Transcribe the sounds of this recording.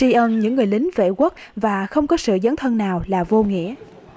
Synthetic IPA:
i˧ʔə˧nɲɨ̰˧˥ŋːɨ˨˩əjlï˨˦ŋ̟vḛ˧˨ɣwu˦˥k̚vaː˨˩xə˧wŋ͡mkɔ˨˦sɨ̰˧˨zə˨˦nt̪ʰə˧nnaː˨˩wlaː˨˩vo˧ŋḭ˧˥˨ə

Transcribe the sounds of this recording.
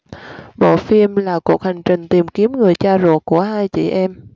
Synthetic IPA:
ɓo̰˧˨fi˧mlaː˨˩ku˨˩ək̚ha˨˩jŋ̟t͡ɕï˨˩ŋ̟t̪i˨˩mki˨˦əmŋɨ˨˩əjt͡ɕaː˧zo̰˧˩k̚kːu˧˩əhaː˧jt͡ɕḭ˧˨ʔɛ˧m

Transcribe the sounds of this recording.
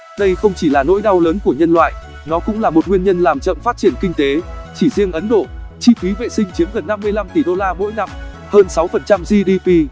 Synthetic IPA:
ɗə˧jxə˧wŋ͡mt͡ɕi˧˩laː˨˩no̰˧˥jɗa˧wləː˨˦nku˧˩əɲə˧nlwa̰ː˧˨j | nɔ˨˦kʊ̰˧˥ŋ͡mlaː˨˩mo˨˩t̚ŋwi˧ənɲə˧nlaː˨˩mt͡ɕə̰˧˨mfaː˦˥t̚t͡ɕi˧˩ənkï˧ŋ̟t̪e˨˦t͡ɕi˧˩zi˧əŋʔə˨˦nɗo˧˩t͡ɕḭ˧˩fi˨˦vḛ˧˨sï˧ŋ̟t͡ɕi˨˦əmɣə˨˩nːa˧mːɨ˧əjla˧mt̪i˧˩ɗo˧laː˧mo̰˧˥jna˧m | həː˧nsa˨˦wfə˨˩nt͡ɕa˧mzi˧ɗi˧pi˧

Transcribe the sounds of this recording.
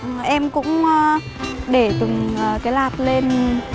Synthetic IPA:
ʔɛ˧mkʊ̰˧˥ŋ͡m | ɗe˧˩t̪ɨ˨˩ŋəː˨˩kaː˨˦jlaː˨˩t̚le˧n

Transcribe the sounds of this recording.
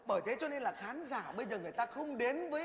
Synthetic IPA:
ɓəː˧˩jt̪e˨˦t͡ɕɔ˧ne˧nlaː˨˩xaː˨˦nzaː˧˩ɓə˧jzəː˨˩ŋɨ˨˩əjt̪aː˧xə˧wŋ͡mɗe˨˦nvəː˨˦

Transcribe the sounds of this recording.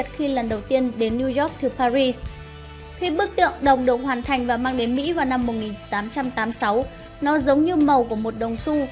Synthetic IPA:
t̚xi˧lə˨˩nɗə˨˩wt̪i˧ənɗe˨˦nːi˧zɔ˦˥k̚t̪ʰɨ˨˩paː˧ɾi˧s | xi˧ɓɨ˦˥k̚t̪ɨ̰˧˨əŋɗə˨˩wŋ͡mɗə̰˧˨ŋ͡mhwaː˨˩nt̪ʰa˨˩jŋ̟vaː˨˩maː˧ŋɗe˨˦nmḭ˧˥vaː˨˩na˧mːo˨˩t̚ŋi˨˩nt̪aː˨˦mt͡ɕa˧mt̪aː˨˦msa˨˦w | nɔ˨˦zə˨˦wŋ͡mɲɨ˧mə˨˩wku˧˩əmo˨˩t̚ɗə˨˩wŋ͡msu˧

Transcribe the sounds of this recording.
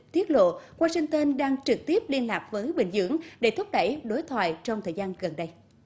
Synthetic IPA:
t̪i˦˥ət̚lo̰˧˨waː˧sï˧ŋ̟t̪əː˧nɗaː˧ŋt͡ɕɨ˨˩k̚t̪i˦˥əp̚li˧ənlaː˨˩k̚vəː˨˦jɓï˧˨˩ŋ̟zɨ̰˧˥əŋɗe˧˩t̪ʰʊ˦˥k͡p̚ɗə˧˩jɗo˨˦jt̪ʰwa̰ː˧˨jt͡ɕɔ˧wŋ͡mt̪ʰəː˨˩jzaː˧nɣə˨˩nɗə˧j

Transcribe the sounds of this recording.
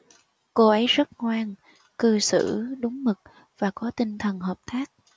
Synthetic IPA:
ko˧ʔə˨˦jzə˦˥t̚ŋwaː˧ŋ | kɨ˧sɨ̰˧˩ɗʊ˨˦ŋ͡mmɨ˨˩k̚ | v̥aː˨˩kɔ˨˦t̪ï˧ŋt̪ʰə˨˩nɦəː˨˩p̚t̪aː˦˥k̚

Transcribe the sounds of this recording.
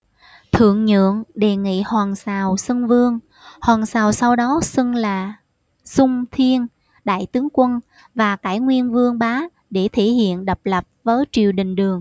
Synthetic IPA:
t̪ʰɨ̰˧˨əŋɲɨ̰˧˨əŋɗe˨˩ŋḭ˧˨hwaː˨˩ŋsaː˨˩wsɨ˧ŋvɨ˧əŋ | hwaː˨˩nsaː˨˩wsa˧wɗɔ˨˦sɨ˧ŋlaː˨˩ | sʊ˧ŋ͡mt̪ʰi˧ən | ɗa̰ː˧˨jt̪ɨ˨˦əŋkwə˧n | vaː˨˩kaː˧˩jŋwi˧ənvɨ˧əŋɓaː˨˦ | ɗe˧˩t̪ʰi˧˩˨hḭ˧˨ənɗə˨˩p̚lə˨˩p̚vəː˨˦jt͡ɕi˨˩əwɗï˨˩ŋ̟ɗɨ˨˩əŋ

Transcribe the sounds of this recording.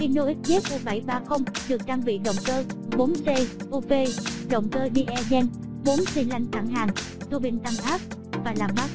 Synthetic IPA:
xi˧no˧ʔi˦˥k̚zɛ˦˥t̚ko˧˩ɓa˧˩jɓaː˧xə˧wŋ͡mɗɨ˨˩ək̚t͡ɕaː˧ŋvḭ˧˨ɗə̰˧˨wŋ͡mkəː˧ɓo˨˦nse˧ʔo˧ve˧ɗə̰˨˧˨wŋ͡mkəː˧ɗi˧ʔɛ˧zɛ˧n | ɓo˨˦nsi˧nla˧jŋt̪a̰˧˩ŋɦaː˨˩ŋ | t̪o˧ɓi˧nt̪a˧ŋʔaː˦˥p̚vaː˨˩laː˨˩mma˦˥t̚

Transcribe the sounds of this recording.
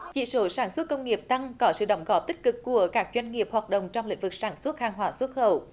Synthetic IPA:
t͡ɕḭ˧˨˥so˨˦saː˧˩nswə˦˥t̚kə˧wŋ͡mŋi˨˩əp̚t̪a˧ŋkɔ˨˦sɨ̰˧˨ɗə˨˦wŋ͡mɣɔ˨˩p̚t̪ï˦˥k̟̚kɨ˨˩kːu˧˩əkaː˦˥k̚zwa˧jŋ̟ŋi˨˩əp̚hwaː˨˩t̚ɗə̰˧˨wŋ͡mt͡ɕɔ˧wŋ͡mlḭ˧˥ŋ̟vɨ˨˩k̚saː˧˩nswə˦˥t̚haː˧ŋɦwaː˧˨˩swə˦˥t̚xə̰˧˨w

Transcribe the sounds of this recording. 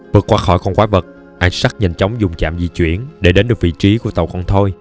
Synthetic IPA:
vɨ˨˩kːwaː˨˦xɔ˧˩jkɔ˧nkwaː˨˦və˨˩t̚ | ʔa˧jŋsaː˦˥t̚ɲə̰˨˩nt͡ɕə˨˦wŋ͡mzʊ˨˩ŋ͡mt͡ɕa̰ː˧˨mzḭ˧˨t͡ɕwḭ˧˩˨ənɗe˧˩ɗe˨˦nɗɨ˨˩kvḭ˧˨t͡ɕi˨˦ku˧˩ət̪ə˨˩wkɔ˧nt̪ʰo˧j

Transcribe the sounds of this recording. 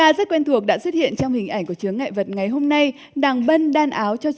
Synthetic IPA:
kaː˧zə˦˥t̚kwɛ˧nt̪ʰu˨˩ək̚ɗa̰ː˧˥swə˦˥t̚hḭ˧˨ənt͡ɕɔ˧wŋ͡mhï̟˨˩ʔa˧˩jŋku˧˩ət͡ɕɨ˨˦əŋːa̰ː˧˨jvə˨˩t̚ŋa˨˩jɦo˧mna˧j | ɗaː˨˩ŋɓə˧nɗaː˧nʔaː˨˦wt͡ɕɔ˧

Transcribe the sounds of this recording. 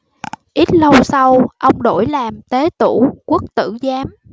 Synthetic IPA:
ʔi˦˥t̚lə˧wsa˧wʔə˧wŋ͡mɗo̰˧˩jlaː˨˩mt̪e˨˦t̪ṵ˧˩ku˦˥ək̚t̪ɨ̰˧˩˨zaː˨˦m

